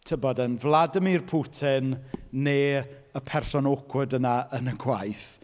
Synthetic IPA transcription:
tʰəbɔdənvlˠadəmirpʰutʰɪnːeː | əpʰɛrsɔnokʰwədənaənəɡʰwajθ

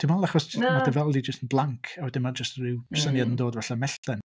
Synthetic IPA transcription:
tʰimalˠaχɔsɪtʰmadəvɛlˠdid͡ʒəstənblˠaŋkʰawɛdɪnmad͡ʒəstrɪwsənjadəndoːdvaɬamɛɬtlɛn

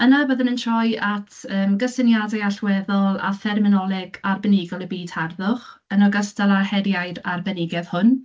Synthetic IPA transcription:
ənaboːðənəntʰrɔjatʰəːmɡəsɪnjadajaɬwɛðɔlˠa̰fɛrmɪnɔlˠɪɡarbɛnɪɡɔlˠəbiːdharðʊχənɔɡəstalˠarhɛdjajɾarbɛnɪɡɛðhʊn

